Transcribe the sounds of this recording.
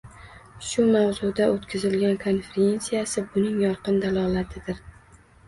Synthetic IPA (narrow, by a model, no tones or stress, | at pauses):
ʃʊmawzʊd̪aʔot̪kʲʰɪzɪlɡʲankʰo̞nfeɾe̞nsijasɪbʊnɪŋjɒɾqɨnd̪alˠɒlˠat̪ʰɪd̪ɪɾ